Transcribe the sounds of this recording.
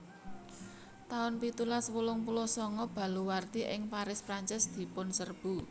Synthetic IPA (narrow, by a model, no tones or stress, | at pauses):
t̪aʊnpit̪ulaswulʊŋpulɔsɔŋɔb̥a̤luwart̪iʔɪŋpaɾɪspɾaɲt͡ʃɪsd̪̥i̤pʊnsərb̥ṳ